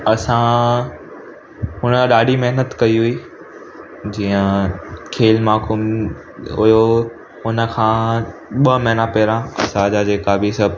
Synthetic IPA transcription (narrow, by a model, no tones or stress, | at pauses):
ɐsã | ɦʊnəɗaːɗimɐɦnət̪kɐiɦʊiː | d͡ʑiːə̃kʰeːlmaːkuːm | ʊijo | ʊnə̆kʰãːɓɐmɐɦnapɛːɾãɐ̰sãd͡ʑaːd͡ʑeːkabʱɪsɐbʱ